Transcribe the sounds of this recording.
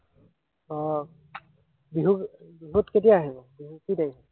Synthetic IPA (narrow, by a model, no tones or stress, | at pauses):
ɔ | biɦukbiɦutketijaːɦibɔbiɦukidej